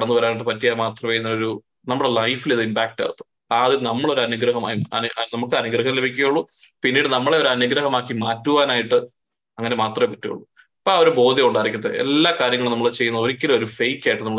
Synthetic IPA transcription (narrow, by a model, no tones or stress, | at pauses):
ɽɐnːuʋɐɾaːniʈːɨpɐtːijaːmaːt̪rɐmʋejunːɐoɾu | nɐmːuɽelɐjfiliðɨimpaːk̚ʈa̰ːɻut̪ːu̥ | aːðilnɐmːɐɭo̞ɾuɐnuɡɾɐɦɐma̰jɐ̰nnɐmukːɨɐnuɡɾɐɦɐle̞bʱikʲːuɣɐjuɭːu | pinːeːɽɨnɐmːɐɭe̞o̞ɾuɐnuɡɾɐɦɐmaːkːimaːtːuʋaːnaːjiʈːɨ | ɐŋːɐne̞maːt̪rɐmepɐtːujṵɭːu | ɐpːoːoɾubo̞ːd̪ʱjɐmuɳɖaːiɾikʲːuɐðḛḛlːaːkaːɾjɐŋːɐɭnɐmːɐɭt͡ɕe̞jːunɐðoɾikʲːɐlo̞ɾufejkːaːjiʈːɨnɐmːɐɭ